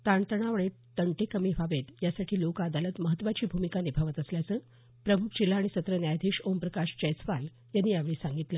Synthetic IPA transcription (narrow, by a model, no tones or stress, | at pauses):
t̪aɳt̪əɳ̃aʋəɳe | t̪ːəɳʈekəmiːʋaʋet̪jasaʈʰiːlokad̪alət̪məɦət̪ːʋat͡ɕiːbʱumikanibʱaʋət̪əsljat͡səː | pɾəmukʰd͡ʑilːaːɽ̃isət̪ɾənjajd̪ʱiʂompɾəkaʂt͡ɕəjt͡sʋal | janːiːjaʋeɭiːsãŋɡit̪ləː